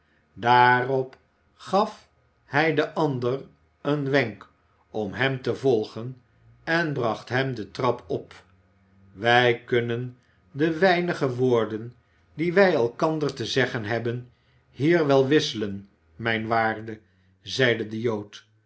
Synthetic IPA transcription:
daːrɔp | χɑf | hɛjdəʔɑndər | ənʋɛŋk | ɔmɦɛmtəvɔlˠχən | ɛnbrɑχtɦɛmdətrɑpʰɔp | ʋɛjkɵnən | dəʋɛjnəχəʋʊːɹdən | diʋɛjɛlˠkɑndərtəzɛχənɦɛbən | hiːrʋɛlˠʋɪsələn | mɛjnʋaːrdə | zɛjdədəjowt

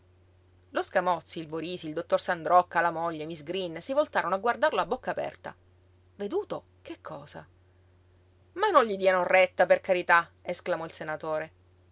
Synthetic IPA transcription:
loskamɔt̪sːiːlboɾiːsiːld̪ot̪ːorsand̪ɾɔkːalamoʎːemizɡɾinːsivolt̪aːɾonoaɡward̪arloabːokːaːpɛ̰rt̪a̰ | ved̪uːt̪o | kekʰːɔːza | manːõɲʎid̪iːanorːet̪ːaperkaɾit̪aesklamɔilsenat̪oːɾe

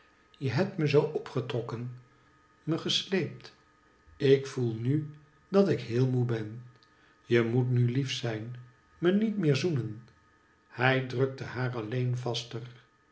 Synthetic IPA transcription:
jəɦɛp̚tməzowʔɔpχətrɔkən | məχəslejp̚t | ɪkfulˠny | dɑtɪkɦɪːlˠmubɛn | jəmutnylifsɛjn | mənitmɪːɹzunən | hɛjdrøk̚təhaːrɑlejnvɑstər

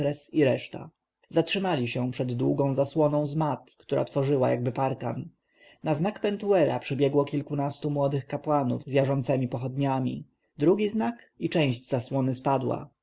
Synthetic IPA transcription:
ɾɛsiɾɛʂt̪a̰ | zatʂɘmalʲiɕɛ̃pʂɛd̪ːwuɡɔ̃w̃zaswɔnɔ̃w̃zmat̪kt̪uɾʔa̰t̪fɔʐɘwajaɡ̚bɘpaɾka̰n | naznakpɛnt̪uɛɾa̰pʂɘbʲjɛɡwɔkʲilkunast̪umwɔd̪ɘxkapwanṵvzjaʐɔnt̪sɛmʲipɔxɔd̪ɲamʲḭ | d̪ɾuɡʲiznak | it͡ʂɛ̃w̃ʑd͡ʑz̥aswɔnɘspad̪wa̰

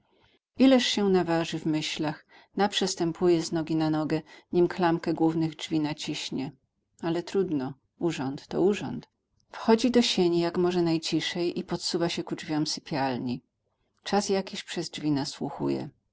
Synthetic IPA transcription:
ilɛʂɕɛnavaʐɘvmɘɕlax | napʂɛst̪ɛmpʰujɛznɔɡʲinanɔɡɛɲimklamkɛɡwuvnɘɣd͡ʐvʲinat͡ɕiɕɲɛ | alɛt̪ɾud̪nɔ | uʐɔnt̪ːɔ̰uʐɔ̰nt̪ | fxɔd͡ʑid̪ɔɕeɲijakmɔʐɛnajt͡ɕiʂɛjʔipɔt̪suvaɕɛkud͡ʐvʲjɔmsɘpʲjalɲi | t͡ʂasjakʲiɕpʂɛzd͡ʐvʲinaswuxṵjɛ̰

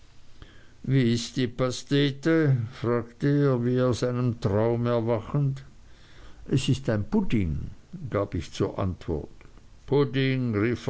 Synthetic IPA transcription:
viːɪstd̥iːpasteːtəfʁaːktəeːɐviːaʊsaɪnəmtʁ̥aʊmɛɐvaχən̩t | ʔɛsɪstaɪnpʊtɪnɡ̥aːbɪçt͡suːɐʔa̰ntv̥ɔ̰ɐtpʰʊtɪŋʁif

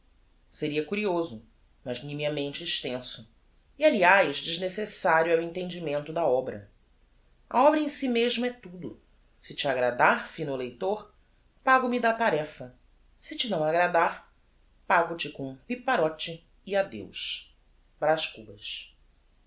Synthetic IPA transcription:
seɾiɐkuɾiozʊ | mɐʒnĩmiɐmẽnt͡ʃɪːʃt̪ẽsʊ | ialiajzd͡ʒiʒnesesaɾjʊɛwẽnt̪ẽd͡ʒimẽnt̪ʊd̪ɐɔbɾɐ̰ | ɐ̰ɔbɾɐẽsimeʒmɐɛt̪ud̪ʊ | sɪt͡ʃiaɡɾad̪aɾfĩnʊlejt̪oχ | paɡʊmid̪at̪aɾɛfɐ | sɪt͡ʃɪnɐ̃w̃aɡɾad̪aɾ | paɡʊt͡ʃɪkõũpipaɾɔt͡ʃɪː | ad̪ḛwʃ | bɾaʃkubɐʃ

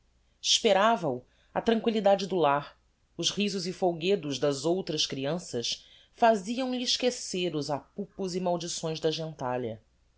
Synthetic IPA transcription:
iʃpeɾavɐu | ɐt̪ɾɐ̃ŋkwilid̪ad͡ʒɪd̪ʊlaχ | ʊʃhizʊzifowɡed̪ʊzd̪ɐzowt̪ɾɐskɾiɐ̃sɐs | faziɐ̃w̃liʃkeseɾʊzapupʊzimawd͡ʒisõj̃zd̪ɐʒẽnt̪aʎɐ̰

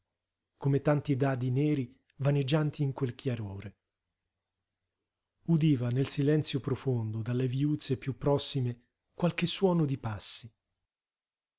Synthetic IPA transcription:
komet̪ant̪id̪aːd̪ineːɾi | vaned͡ʒːant̪iːŋkwelkʰjaɾoːɾe | ud̪iːvanelsilɛnt̪sjopɾofond̪od̪alːeviuːt̪sepjupːɾɔsːime | kwalk̟esːwɔːnod̪ipasːi

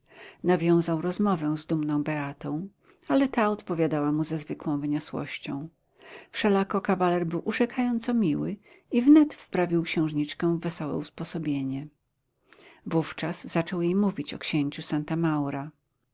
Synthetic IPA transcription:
navʲjɔ̃w̃zawɾɔzmɔvɛ̃w̃zd̪umnɔ̃w̃bɛat̪ɔ̃w̃ | alɛt̪aɔt̪pɔvʲjad̪awamuzazvɘkwɔ̃w̃vɘɲɔswɔ̰ɕt͡ɕɔ̃w̃ | fʂɛlakɔkavalɛɾbɘwʔuʐɛkʰajɔnt̪sɔmʲiwɘ | ivnɛt̪spɾavʲiwkɕɛ̃w̃ʐɲit͡ʂkɛ̃vɛsɔwɛ̰uspɔsɔbʲjeɲɛ | vuft͡ʂaz̥zat͡ʂɔwjejmuvʲit͡ɕɔkɕeɲt͡ɕusant̪amawɾa

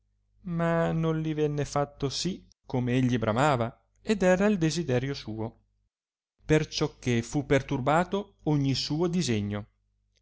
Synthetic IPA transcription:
manːonlivɛnːefat̪ːosi | kʰːomeeʎːibɾamaːva | ed̪ɛːɾaild̪ezid̪ɛːɾjosuːo | pert͡ʃɔkʰːefupːert̪urbaːt̪o | oɲːisuːod̪izeɲːo

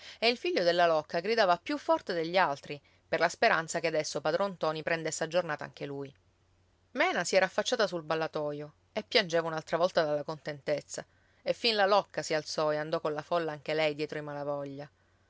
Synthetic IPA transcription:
eilfiʎːod̪elːalɔkːaɡɾid̪aːvapjufːɔrt̪ed̪eʎːialt̪ɾi | perlaspeɾant̪sakead̪ɛsːopad̪ɾɔnt̪ɔːnipɾɛnd̪esːead͡ʒornaːt̪aa̰ŋk̟eluj | mɛːnasiɛːɾaːfːat͡ʃːaːt̪asulbalːat̪ɔːjo | epːjand͡ʒeːvaunalt̪ɾavɔlt̪ad̪alːakont̪ent̪et̪sːa | efːinlalɔkːasialt̪sɔeand̪ɔkonlafɔlːaaŋk̟elɛjd̪jɛːt̪ɾoimalavɔʎːa

